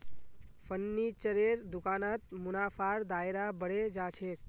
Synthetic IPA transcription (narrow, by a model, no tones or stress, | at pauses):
fʰənːit͡ʃəɾeɾd̪ʊkaːnat̪̚mʊnaːpʰaɾd̪aːeɾabəɽed͡ʒat͡ʃʰeːk̚